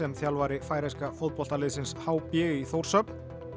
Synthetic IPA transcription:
ɛmθjalvaːɾɪfaːjɾajskafowðpɔl̥t̪alɪðsɪnshaːwpɪːɣɪiθowɾ̥sœpn̥

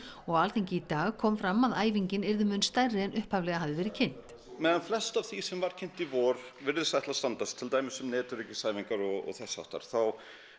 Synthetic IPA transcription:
ɔɣalθʰejŋcɪit̪aːɣkʰɔːmfɾamːaðaːjviɲcɪnɛɾðʏmʏnst̪ajrɪɛnʔʏhpavlɛɣaɦaðɪvɛːɾɪcʰɪn̥t̪ | mɛðanflɛst̪av̥θisɛmvaɾ̥cʰɪn̥t̪ivɔːɾ̥vɪɾðʏsθajht̪last̪ant̪ast̪ʰɪlt̪aːjmɪsʏmnɛːt̪ʏɾicɪsaːjviŋkaɾɔɣɔ̰ɣθɛsːa̰wht̪a̰ɾ̥θaw

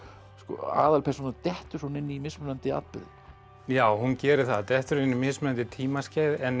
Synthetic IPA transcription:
skɔ̰a̰ːðalpʰɛɾ̥sunaɾt̪ɛht̪ʏɾ̥sɔnɪnːɪimɪsmʏlant̪ɪa̰t̪̚pɪ̰ð | jaːwhuncɛːɾɪθaðt̪ɛht̪ʏɾɪnːɪmɪsmʏlant̪ɪt̪ʰiːmascaːjðɛn

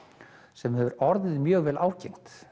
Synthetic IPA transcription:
sɛmhɛvʏɾɔɾðɪðmjœːɣvɛːlʔaːwcejŋ̥t̪

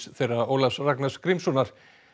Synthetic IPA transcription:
θejraowlafsraknaskɾimsɔnaɾ̥

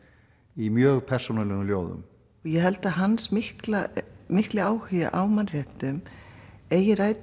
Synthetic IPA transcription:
imjœːɣpʰɛr̥sɔnalɛɣʏmljoːwðʏ̰m | ɔɣjɛɦɛlt̪aðɦansmɪhklamɪhklɪaːwhʏːja̰ʔawmanr̥ɛht̪ʏm | eːjɪraːjt̪

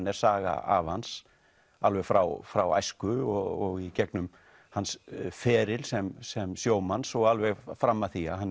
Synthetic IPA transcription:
nɛɾ̥saːɣa̰a̰vans | alvɛɣfɾawfɾawa̰jskʏɔɔɣicɛknʏm | hansfɛːɾɪlsɛmsɛmsjoːwmansɔɣalvɛɣfɾamːaθia̰ɦan

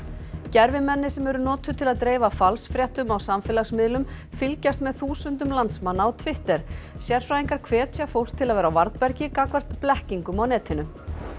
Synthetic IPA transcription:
cɛɾvɪmɛnːɪsɛmɛɾʏnɔːt̪ʏt̪ʰɪlaðt̪ɾeːjvafalsfɾjɛht̪ʏmawsamfɪlasmɪðlʏm | fɪlcast̪mɛðθuːsʏnt̪ʏmlant̪smanːaɔt̪ʰvɪht̪ɛɾ̥sjɛr̥fɾaːjiŋkaɾ̥kʰvɛːt̪sjafowr̥t̪ʰːɪlaðvɛːɾawvaɾt̪pɛɾcɪkakvɛr̥t̪plɛhciŋkʏmawnɛːt̪ʰɪnʏ

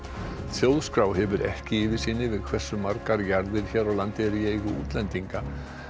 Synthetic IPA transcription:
θjowðskɾawɦɛvʏɾɛhcɪiːvɪ̥siːnːɪvɪðkʰv̥ɛrsːʏmːaɾkaɾjaɾðɪɾ̥çɛːɾawlant̪ɪɾiejɣʏṵːt̪lɛnt̪iŋka

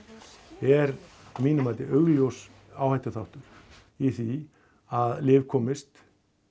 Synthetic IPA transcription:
ɛɾ | miːnʏmaːt̪ɪʔœɣljows | aːwhajht̪ʏθawht̪ʏɾ̥ | iθi | aðlɪːvkʰɔːmɪst̪

